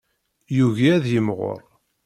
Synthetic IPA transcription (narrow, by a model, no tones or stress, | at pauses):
juʝaæðjəmʁo̰ɾˤ